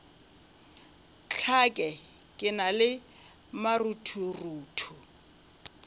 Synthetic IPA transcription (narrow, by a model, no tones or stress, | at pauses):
t͡ɬʰakʼɛ | kʼɪnalɪ | marutʰuruːtʰu